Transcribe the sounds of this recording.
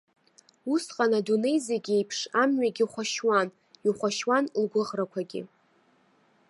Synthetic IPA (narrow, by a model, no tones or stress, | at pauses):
usqʼanadune̞jzieaɡʲe̞jpʰʂamɥaɡʲiχʷaʃwan | iχʷaʃwanlɡʷʊʁrakʷʰaɡʲɪ̰